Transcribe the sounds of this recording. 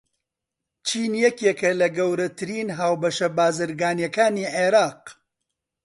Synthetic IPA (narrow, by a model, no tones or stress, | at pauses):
t͡ʃʰiːnjɛkeːkɐlɐɡɐwɾɐt̪ʰɨɾiːnɦaːwbɐʃɐbaːzɨɾɡaːnjɛkaːniːʕeɾɑːq̚